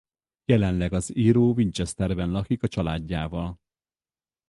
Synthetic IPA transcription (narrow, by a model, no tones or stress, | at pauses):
jɛlɛnlɛɡɒziːɾoːvint͡ʃɛst̪ɛrbɛnlɒkikɒt͡ʃɒlaːɟːaːvɒl